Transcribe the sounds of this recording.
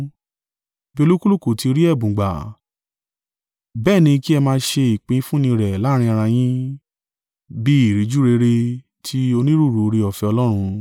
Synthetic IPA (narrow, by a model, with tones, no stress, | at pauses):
bi˦o˧lu˦ku˦lu˦˨ko˨ti˧ɾi˦ɛ˦˨bũ˨ɡ͡ba̰˨ | bɛː˦˨nĩ˧ki˦ɛ˧mãː˧˦ʃe˧i˨k͡pĩ˨˦fũ˦nĩ˧ɾɛ˨la˨˦ɾ̃ĩ˧˦a˧ɾ̃ã˧j̃ĩ˦ | bi˦i˦˨ɾi˨˧d͡ʒu˦ɾe˧ɾe˧ | tʰi˦o˧nĩ˦ɾu˦˨ɾu˨˧ɾe˧ɔ˨fɛ˧ɔ˧lɔ˦ɾ̃ũ˧